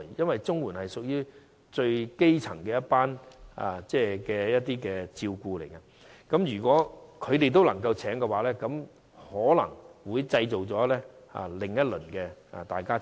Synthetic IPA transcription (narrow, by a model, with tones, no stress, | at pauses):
jjɐ˥nwɐ˨˩jt͡sʊ˥ŋwuː˨˩nhɐ˨jsʊ˨k̚jyː˥ | t͡ʃɵ˧ɥke˥jt͡sʰɐ˨˩ŋkɛː˧jɐ˥t̚paː˥na̰˨˩t͡sɛː˥˩kɛː˧jɐ˥t̪̚iː˥kɛː˧t͡siː˧wkuː˧le˨˩jkɐ˧ | kɐ˨˥mjyː˨˩kʷɔː˨˥kʰɵ˨˧ɥt̪e˨jt̪o˥wlɐ˨˩ŋkɐ˧wt͡sʰɛː˨˥ŋkɛ˧waː˨˥lɛː˥kɐ˨˧˥m | hɔː˨˥lɐ̰˨˩ŋwuː˨˧jt͡sɐ˧jt͡so˨˩wt͡sɔː˨˥lɛː˥ | a̰˨lɪ˨ŋjɐ˥t̚lɵ˨˩nkɛː˧a̰˨t̪aː˨˩jkaː˥